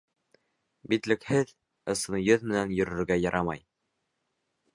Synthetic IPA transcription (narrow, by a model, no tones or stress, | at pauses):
bit̪lɘ̆khɘð | ɤ̆sɤ̆nɤjɵðmɘ̆nænjɵ̆ɾɵ̆ɾɡæjɑɾʔɑmɑ̰j